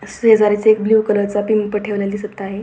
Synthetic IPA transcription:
səɦəd͡zaɾit͡seek̚bljukələɾt͡sapimpəʈʰeʋlad̪isətt̪aɦe

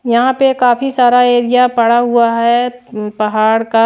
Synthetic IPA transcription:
jɐɦãpekaːfisaːɾaeːɾijapɐɽaɦʊaɦɛpɐɦaːɽka

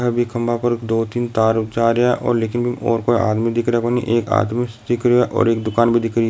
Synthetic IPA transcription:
ɦɛbʱikʰɐ̃mbapɐɾkd̪oːt̪iːnt̪aːɾʊkt͡ʃaːɾɐjaʔɔ̰ːɾleːkɪnbʱiɔ̰ːɾkoia̰ːd̪mid̪ɪkɾakonḭ̃ʔeːka̰ːd̪mid̪ɪkɾaʔɔ̰ːɾeːkd̪ʊkaːnbʱid̪ɪkɾ

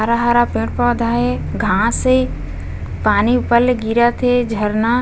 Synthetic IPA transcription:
aɾaɦaɾapẽːʈ̚pad̪ʱaːɦeɡʱãse | paːniʊpəlɡiɾat̪ʰed͡ʒʱəɾna

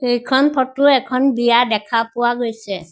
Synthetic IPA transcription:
xejkʰɔnpʰɔtʊɛkʰɔnbijadɛkʰapʊwaɡojsɛ

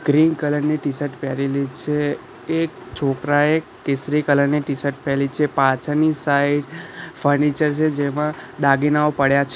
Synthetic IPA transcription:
ɡ̥ɾinkələɾniʈisəɾʈpɛɾilit͡ʃʰeː | k̚ | t͡ʃʰokɾae | ʈesɾikələɾniʈisəɾʈ̚pɛlit͡ʃʰepãt͡ʃʰənisaiɖfʰəɾnit͡ʃəɾt͡ʃʰed͡ʒemãd̪aɡinaopəɽjat͡ʃʰ

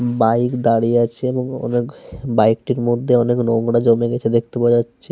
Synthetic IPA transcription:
bajkd̪aɽieat͡ɕʰeeboŋɔ̰nekbajk̚ʈiɾmod̪ʱːeɔneknoŋɽad͡ʑomeɡɛt͡ɕʰed̪ek̚ʰt̪epaatːʃʰe

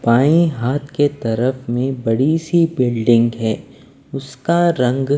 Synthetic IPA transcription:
paːĩɦaːt̪ʰket̪ɐɾəfmẽbɐɽisibɪlɖɪ̃ŋɡɦɛː | ʊskaɾɐ̃ŋɡ

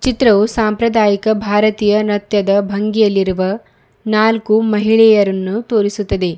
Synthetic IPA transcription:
t͡ʃit̪ɾɐʋusaːmpɾɐd̪aːjikɐbʱaːɾɐt̪iːjɐnɐt̪jɐd̪ɐbʱɐŋɡijɐlːiɾuʋɐ | naːlkumɐɦiɭɛːjɐɾɐnːut̪oːɾisut̪ːɐd̪e̞

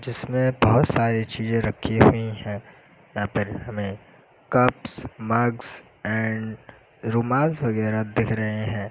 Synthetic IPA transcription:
d͡ʒɪsmẽbɐɦʊt̪saːɾit͡ʃiːzẽɾɐkʰːiɦuiɦɛ̃ː | jãːpɪɾhɐmẽ | kɐpsmɐɡz | ɛ̃ːɳɖ | ɾuːmaːsʋɐɣɛːɾad̪ɪkʰɾɐɦeɦɛ̃ː

